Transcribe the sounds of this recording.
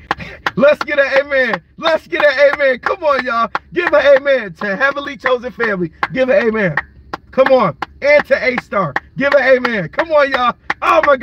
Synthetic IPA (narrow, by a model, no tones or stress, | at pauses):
lətsɡ̥ɛɾɨeɪmæ̃nlɛtsɡ̥ɛɾɨeɪmæ̃nkʰʌ̃mə̃njɑɡ̥ɪvəeɪmæ̃ntʰɨɦɛvəl̩ˠit͡ʃʰoʊzɨ̃nfæ̃mliɡɪvɨeɪmæ̃n | kʰʌ̃mə̃næ̃ntʰɨʔeɪstɑɹɡ̥ɪvɨeɪmæ̃nkʰʌ̃mə̃njɑomaɪɡ